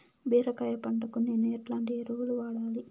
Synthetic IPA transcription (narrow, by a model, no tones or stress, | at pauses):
beːɾɐkaːjɐpɐɳɖɐkːunːinːeʈlaːɳɖieɾuːluʋaːɭaːli